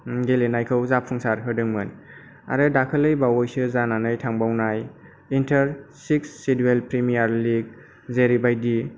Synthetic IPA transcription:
ɡelenajkʰɯwzapʰɯŋsaɾɦɯdɯŋmɯn | a̰ɾɯdakʰɯlɯjbawɔjsɯzananɯjtʰaŋbawnaj | intʰɐɾsiksːidwelpɾimijaɾliɡ̚ | zeɾibajdi

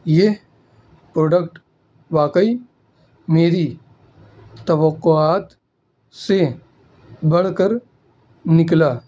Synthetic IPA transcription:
je | pɾoːɖəkʈ | ʋaːkəi | meːɾi | t̪əʋəqːoaːt̪ | se | bɐɽ̤kəɾ | nɪklaː

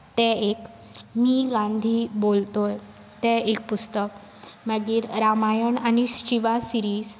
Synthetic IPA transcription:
t̪ɛ̃ek | miɡãnd̪ʱiːbolt̪oj | t̪ɛek̚pust̪ək | məɡiːɾɾamajəɳañist͡ɕiʋasiɾiːz

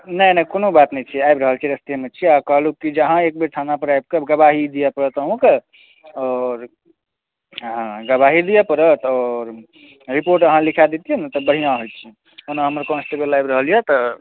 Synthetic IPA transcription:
nəjnəkonobat̪nəjt͡ʃʰiajbɾəɦəlt͡ʃʰiɾəst̪emet͡ʃʰiakəɦlukːid͡ʒəɦãek̚beɾʈ̪ʰanapəɾajb̚kebɡəbaɦid̪ijɛpəɾət̪əɦõke | ɔɾ | ɦãɡəbaɦid̪ijɛpəɾət̪ɔɾ | ɾipoɾʈəɦãlikʰad̪et̪ijent̪əbəɽ̤ijãɦojt̪t͡ʃʰi | onãɦəməɾkɔnsʈebəlajbɾəɦəljɛt̪ɔ

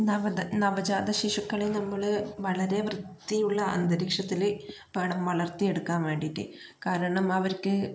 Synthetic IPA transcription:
nɐʋɐɐnɐʋɐd͡ʑaːd̪ɐɕiʂukːɐɭenɐmːɐɭʋɐɭɐɾe̞ʋrɨd̪ːijuɭːɐɐ̰nd̪ɐɾikʂɐt̪ːil | ʋeːɳɐmʋɐɭɐrt̪ie̞ɽukːaːnʋe̞ːɳɖiʈːɨ̰kaːɾɐɳɐmɐʋɐɾkɨ

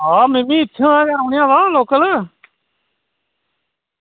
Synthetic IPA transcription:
ɦaːmɪmĩːɪtːʃʰãːãːkaːɾõːɳjãːʋaːloːkələː

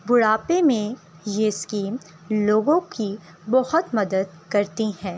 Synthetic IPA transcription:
bʊɽaːpemẽ | jeskiːm | loːɡõki | bɐɦʊt̪mɐd̪əd̪̚ | kɐɾt̪iɦɛ̃ː

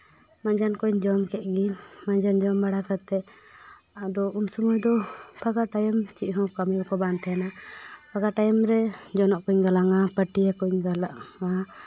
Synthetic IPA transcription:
maɲd͡ʒankɔɲd͡ʒɔmkɛʔ̪̚ˀɡimaɲd͡ʒand͡ʒɔmbaɽakat̪ɛ | ad̪ɔunsumujd̪ɔpʰaɡaʈajəmt͡ʃiʔ̚ˀɦɔ̃kamiɔkɔbant̪ʰɛanapʰaɡaʈajɔmɾɛd͡ʒɔnɔʔkɔɲɡalaŋapəʈijakɔɲɡalaʔŋa

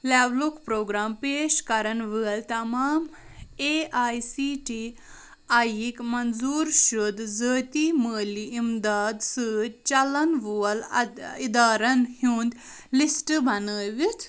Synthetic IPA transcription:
laːblukpɾoːɡɾaːmpeːʃkɐɾɐnʋɨɐlt̪ɐmaːm | eːʔaːjsiʈi | ajikmɐnzuːɾʃud̪zəːt̪iməːliʔimd̪aːd̪səːt̪t͡ʃɐlɐnʋuɐlid̪aːɾɐnhuːnd̪ | lisʈɨbʱɐnəːʋit̪ʰ

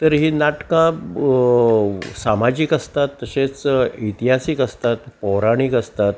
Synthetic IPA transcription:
t̪əɾɦiːnaʈkã | samad͡ʑiːkəst̪at̪ːəɕẽt͡sit̪iɦasikəst̪at̪pɔɾaɽ̃ikəst̪at̪̚

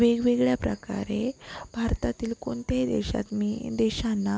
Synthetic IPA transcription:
ʋeɡʋeɡɭjapɾəka̰ɾebʱaɾt̪at̪iːlkoɳt̪ad̪ɛ̰ɕa̰t̪mid̪ɛɕanːa

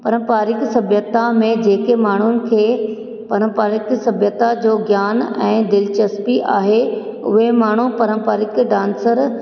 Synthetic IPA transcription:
pɐɾə̃mpaːɾɪksɐbʱjət̪amẽd͡ʑeːkemaːɳ̤ʊnɪ̆kʰeː | pɐɾə̃mpaːɾɪksɐbʱjət̪ad͡ʑoːɡjaːnɛ̰̃ːd̪ɪlɪt͡ɕɐspiʔaːɦe | ʊ̰ɦemaːɳ̤upɐɾəmpaːɾɪkɖãːnsəɾ

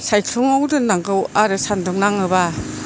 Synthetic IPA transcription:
sajtʰɔŋawdɯnaŋɡɯwaɾɯsandɔŋnaŋɯba

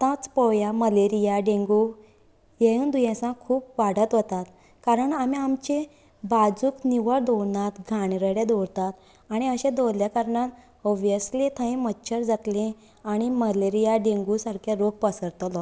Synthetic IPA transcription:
t̪ãt͡spɔjaməleɾijaɖẽŋɡu | jeũnd̪ujẽsãkʰuːp̚ʋaɽ̤ət̪ʋət̪at̪ | kaɾəɳamiamt͡ɕe | bad͡zukniʋəɾd̪ɔwnat̪ɡʱaɳɾəɽjed̪ɔɾt̪at̪ | aɽ̃iəɕẽd̪ɔljakəɾɳat̪ | ɔbjəslẽt̪ʰãĩmətːɕʰəɾd͡zat̪lẽ | aɽ̃iməleɾijaɖẽŋɡusaɾkʰjaɾoɡ̚pəsəɾt̪lɔ

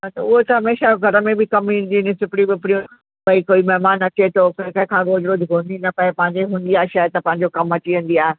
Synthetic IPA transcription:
ɦat̪ɐʊɦot̪ɐɦɐmeːʃaɡʱɐɾə̆mẽbɪkɐmĩnd̪inɪ̃sɪpɽĩbɪɪpɪɽijũ | bɐikoːimɐɦmaːnɐt͡ɕet̪ʰokɐ̃kɐ̃ɪ̃kʰãːɡoːd͡ʑɾoːd̪ʱɡʱõːnd̪inɐpɐepɐ̃ɦɪ̃ɲd͡ʑeɦũːn̆d̪iaːɦeʃaːt̪ɐpɐ̃ɦɪ̃ɲd͡ʑokɐmɐt͡ɕiʋə̃n̆d̪iaːɦe

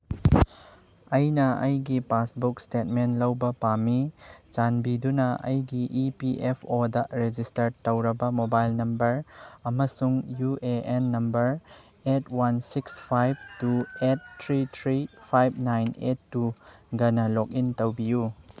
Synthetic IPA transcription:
ɐjnɐɐjɡipasbuk̚stet̚menlɐwbɐpamit͡ʃanbidunɐɐ̰jɡiʔipiʔepʰodɐɾed͡ʒistɐɾtːɐwɾɐbɐmobajlnɐmbɐɾɐmɐsuŋjuʔeenːɐmbɐɾ | etʰwansikspʰajb̚tuet̚tʰɾitʰɾipʰajb̚najnetːuɡɐnɐlok̚intɐwbiju

